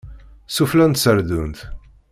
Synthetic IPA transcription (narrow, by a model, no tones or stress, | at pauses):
suflænt̪səɾd̪unt̪